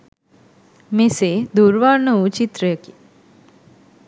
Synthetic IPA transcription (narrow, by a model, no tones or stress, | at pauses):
meseːd̪uɾʋaɾɳəut͡ʃit̪ɾəjəki